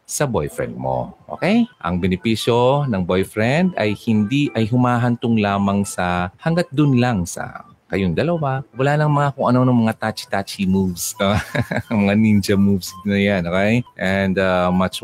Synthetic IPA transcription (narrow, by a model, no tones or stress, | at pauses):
sɐbojfɹɛ̰nd̪̚mo̰ʔo̰kɛjʔɐ̰ŋbɛnɪpiːʃjo̞nɐŋbojfɹɛnd̪ɐjhɪnd̪iʔɐjɦʊmaːɦɐnt̪ʊŋlaːmɐŋsɐhɐŋɡat̪̚d̪ʊnlaŋsɐ̰ | kɐjoŋd̪ɐlɐwawɐlaːlɐŋmɐŋakʊŋʔɐno̞nʊŋmɐŋat̪at͡ʃi̥t̪at͡ʃimuvsamɐŋanind͡ʒɐmuvsnɐjanʔokɛjʔɛnd̪amat͡ʃ